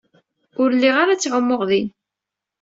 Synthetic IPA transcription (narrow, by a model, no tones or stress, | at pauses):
ʊɾlːiʁaɾat͡sːʁəmːʊʁðin